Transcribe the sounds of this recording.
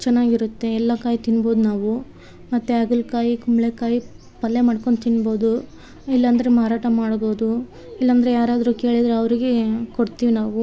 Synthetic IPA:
t͡ʃɛnːaːɡiɾut̪ːe̞ɛlːɐkaːjit̪inbo̞ːd̪unaːʋu | mɐt̪ːeɐɡulkaːjikumɭekaːji | pɐlːe̞maːɽko̞ɳɖt̪inːbo̞ːd̪u | ilːɐɐnd̪ɐɾemaːɾaːʈɐmaːɽbo̞ːd̪u | ilːɐnd̪ɐɾejaːɾaːd̪ɐɾuːke̞ːɭid̪ɾeɐʋɐɾiɡe̞koɽt̪iːʋinaːʋu

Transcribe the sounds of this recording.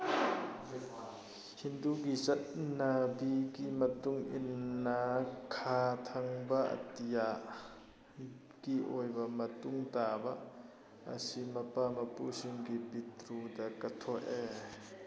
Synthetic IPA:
hind̪uɡisɐt̪̚nabikimɐt̪ʊŋʔḭnːakʰaːt̪ʰɐŋbaʔɐ̰t̪ija | kiʔɔjbamɐt̪ʊŋt̪aːba | ɐ̰simɐpamɐpusiŋkipit̪ɾud̪akːɐt̪ʰɔʔɛ

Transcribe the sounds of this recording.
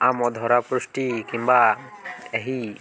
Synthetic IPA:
amɔd̪ʱɔɾapɾusʈikimba | ɛɦi

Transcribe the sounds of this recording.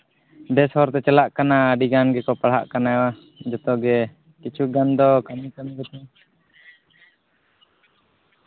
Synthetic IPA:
bɛshɔɾt̪ɛt͡ʃəlaʔkanaːɖiɡanɡɛkɔpaɭɦa̰ʔkanawa | d͡ʒɔt̪ɔɡɛ | kit͡ʃuɡand̪ɔkanikanɡɛt̪ɛ

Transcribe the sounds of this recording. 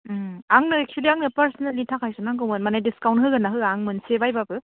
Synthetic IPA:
aŋnɯɛk̚t͡ʃʰuliaŋnɯpaɾsɔnalːitʰakʰajsunaŋɡɯwmɯnmanajdiskawntɦɯɡanaɦɯaŋmɯnsebajbabɯ

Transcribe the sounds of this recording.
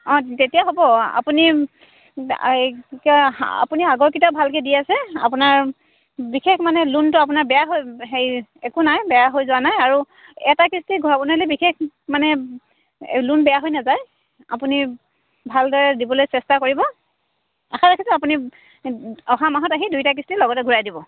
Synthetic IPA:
ɔ̃tetijaɦobɔa̰puni | ka̰puniaɡɔɹkitabʱalkɛdiasɛa̰punaɹ | bixekʰmanɛluntʊapunaɹbɛjaɦojɦejɛkunajbɛjaɦojzʊwanajaɹu | ɛtakistiɡʱuɹabɔnalibixʰek | manɛ | lunbɛjaɦojnazaj | a̰puni | bʱaldɔɹɛdibɔlojsɛstakoɹibɔ | axʰaɹakʰisɛapuni | ɔɦamaɦɔtaɦidujtakistilɔɡɔtɛɡʱuɹajdibɔ

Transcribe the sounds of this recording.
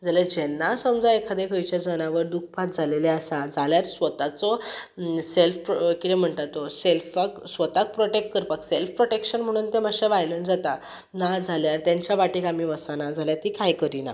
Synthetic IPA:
d͡zaled͡ʑɛnːasəmd͡zaekʰad̪ekʰəjt͡ɕjad͡zənaʋəɾd̪uk̚ʰpat̪̚d͡zʱaleleasad͡zʱaljaɾsʋət̪at͡sɔ | selfkit̪em̤əɳʈ̪at̪ɔselfaksʋət̪ak̚pɾoʈeʈ̚kəɾpakselfpɾoʈekɕənm̤əɽ̃uːnt̪emaɕeʋajləɳd͡zat̪a | nad͡zʱaljaɾt̪jãɲt͡ɕjaʋaʈikamiʋəsanad͡zʱaljat̪ikajkəɾina̰

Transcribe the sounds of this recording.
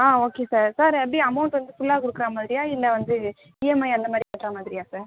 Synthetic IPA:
aːoːkeːsaːɾsaːɾɐpːɽiɐmɐʊɳʈʋɐnd̪ɯfʊlːaːkʊɽɯkːɯɾaːmaːðɪɾɪjaːɪlːɛʋɐnd̪ɯ | iːjɛmɐɪɐnd̪ɐmaːd̪ɾipaːʈːɾaːmaːðɪɾɪjaːsaːɾ

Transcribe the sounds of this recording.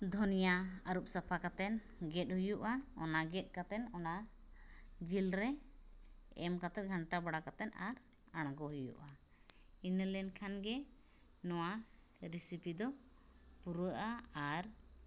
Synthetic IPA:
d̪ʱɔnijaəɾup̚sapʰakat̪ɛn | ɡɛt̪̚ɦujuʔaɔ̰naɡɛt̪̚ˀkat̪ɛnɔna | d͡ʒilɾɛ | ɛmkat̪ɛt̪̚ɡʱəɳʈabaɽakat̪ɛna̰ɾ | aɽ̃ɡɔɦujṵʔa | inəlɛnkʰanɡɛ | nɔwa | ɾisipid̪ɔ | puɾɔʔaaɾ

